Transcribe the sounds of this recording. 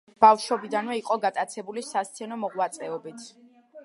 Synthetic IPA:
b̥afʃɔbid̪anvɛiqʼɔɡat̪ʼat̪sʰɛbulisast̪sʰɛnɔmɔʁwat̪sʼɛɔbit̪ʰ

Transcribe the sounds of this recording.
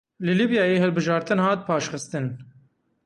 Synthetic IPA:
lɨlibjɑːjeːɦɛlbɨʒɑːɾt̪ɨnhɑːt̪̚pʰɑːʃxɨst̪ɨn

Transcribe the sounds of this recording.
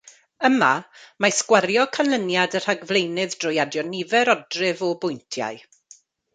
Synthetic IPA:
əmamaskwaɾjɔkʰanlˠənjadər̥aɡvlˠejnɨðd̥rʊjadjɔnɪvɛɾɔdrɨvɔbʊjntʰja̰ɨ

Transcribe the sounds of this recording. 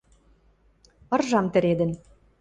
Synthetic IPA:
ɤ̆rʒɑmt̪ɘ̆ɾed̪ə̆n

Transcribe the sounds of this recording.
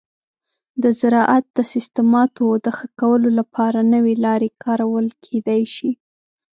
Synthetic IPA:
d̪əzɪɾɑʔat̪̚d̪əsɪst̪əmɑt̪od̪əxəkawəlolapʰɑɾanəwelɑɾekʰɑɾawəlkʰed̪ajʃi

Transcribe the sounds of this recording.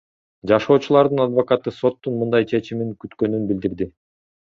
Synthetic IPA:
d͡ʒɑʃo̞ːt͡ʃulˠɑɾd̪ɯnad̪vokɑt̪ɯso̞t̪ːunmɯnd̪ɑjt͡ʃʰe̞t͡ʃimiŋkyt̪kø̞nynbild̪iɾd̪i

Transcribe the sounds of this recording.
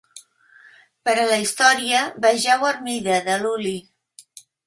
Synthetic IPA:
pəɾələist̪ɔɾiəβaʒɛwəɾmiðəðəluli

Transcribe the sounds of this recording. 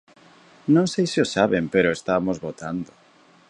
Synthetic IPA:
nõŋsejsɪosaβempeɾoest̪amozβot̪and̪o

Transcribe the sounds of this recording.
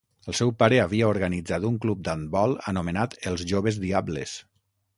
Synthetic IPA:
əlˠsɛwpaɾeaβ̞iaoɾɣanid͡zat̪uŋklub̚d̪ambɔlˠənumenat̪əlˠzʒoβ̞əzðiablḛs

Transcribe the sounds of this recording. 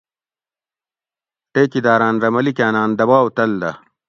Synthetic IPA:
ʈeːkid̪aːɾaːnɾɐmɐlikaːnaːnd̪ɐbaːwt̪ɐld̪ɐ

